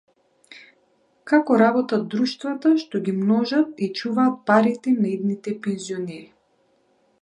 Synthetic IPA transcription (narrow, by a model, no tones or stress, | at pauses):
kakɔɾabɔt̪ad̪ɾuʃt̪vat̪aʃt̪ɔɡʲimnɔʒat̪it͡ʃuvaːt̪̚paɾit̪ɛnaid̪nit̪ɛpɛnziɔnɛɾi